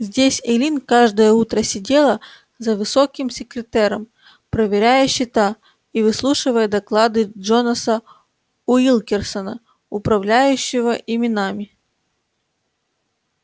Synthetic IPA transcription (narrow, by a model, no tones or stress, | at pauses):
zʲdʲesʲelʲinkaʐd̪əjəut̪ɾəsʲɪdʲe̞lˠə | zəvɨsokʲɪmsʲɪkɾʲɪt̪ɛɾəm | pɾəvʲɪɾʲæjəɕːɪt̪a | ivɨslˠuʂɨvəjəd̪ɐklˠad̪ɨʐonəsə | ʊilˠkʲɪrsənə | ʊpɾɐvlʲæjʉɕːɪvəʔɪmʲɪnamʲɪ